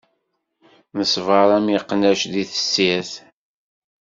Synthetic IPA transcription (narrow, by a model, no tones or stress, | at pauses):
məsvɑɾˤæmjiqːnæʃðiθə̥sːæθ